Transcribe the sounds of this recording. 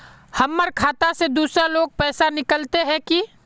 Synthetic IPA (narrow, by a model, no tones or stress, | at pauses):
hɐmːəɾkʰaːt̪ased̪uːsɾaloːɡ̚pɛːsanɪkəlt̪eɦɛ̃ki